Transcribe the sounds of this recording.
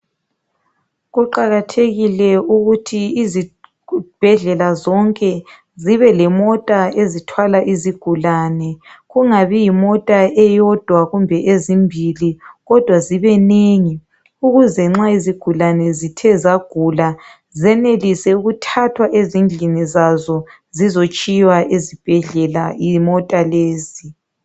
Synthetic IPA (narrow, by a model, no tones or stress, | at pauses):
ɣuǃaɣatʰeɣilɛuɣutʰiizi | b̥ʱɛɮɛlazɔŋkʼɛ | ziβɛlɛmɔtʼaezitʰwalaʔiziɡ̥ʱulanɛɣuŋaβijimɔtʼaɛjɔd̥ʱwaɣumbʱɛʔezimbʱiliɣɔd̥ʱwaziβɛneŋi | uɣuzɛŋ͡ǁaiziɡ̥ʱulanɛzitʰɛzaɡ̥ʱula | zɛnelisɛuɣutʰatʰwaʔezind͡ɮʱinizazɔ | zizot͡ʃʼijwaʔezib̥ʱɛɮɛlaimɔtʼaleːzi